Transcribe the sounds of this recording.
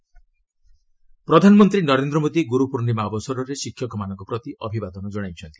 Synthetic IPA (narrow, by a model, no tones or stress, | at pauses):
pɾɔd̪ʱanɔmɔnt̪ɾinɔɾend̪ɾɔmod̪iɡuɾupuɾnimabɔsɔɾɔɾesikʰjɔkʰɔmanɔŋkɔpɾɔt̪iʔɔbʱibad̪ɔnɔd͡ʒɔɽajt͡ʃʰɔnt̪i̥